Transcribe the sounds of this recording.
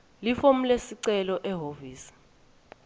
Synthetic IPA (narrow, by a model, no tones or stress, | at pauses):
lifom̩lesiǀɛlɔʔɛɦoviːsi̥